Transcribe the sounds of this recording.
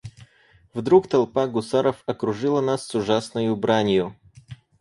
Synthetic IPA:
vd̪ɾukt̪ɐlˠpaɡʊsaɾəfɐkɾʊʐɨlˠənasːʊʐasnəjʊbɾanʲjʊ

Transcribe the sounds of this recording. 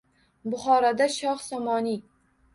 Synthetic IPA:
bʊχɒɾad̪aʃɒχsɒmɒni

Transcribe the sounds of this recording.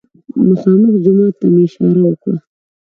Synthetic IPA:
mʊxɑːmɪfd͡ʒʊmɑːt̪ːameɪʃɑːɾawəkɽa̰

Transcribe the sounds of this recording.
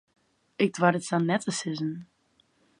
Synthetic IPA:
ɪk̚dʋaɾətsanːɛtʰəsɪzən

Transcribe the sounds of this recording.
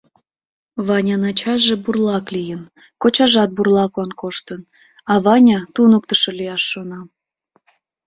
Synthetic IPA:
βɑnʲɑnɑt͡ɕɑʒeburlɑklijən | kot͡ɕɑʒɑt̪̚burlɑklɑnkoʃt̪ən | ɑβɑnʲɑt̪unək̚t̪əʃolijɑʃːonɑm

